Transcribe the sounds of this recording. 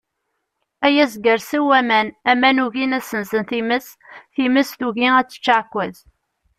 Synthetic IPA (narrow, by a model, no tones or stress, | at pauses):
æjæzɡəɾsəwæmænæmænuʝinæsənzənθiməs | θiməsθuʝiæt͡sːə̥t͡ʃːaʕkʷːæz